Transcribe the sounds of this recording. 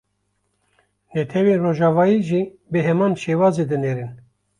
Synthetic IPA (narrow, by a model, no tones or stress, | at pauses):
nɛt̪ʰɛweːnroːʒɑːvɑːjiːʒi | beɦɛmɑːnʃeːwɑːzeːd̪ɨneːɾɨn